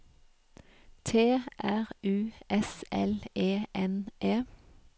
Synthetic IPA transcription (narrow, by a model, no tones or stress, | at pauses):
t̪ʰeːʔæʁʉːʔɛsʔɛleːʔɛnʔeː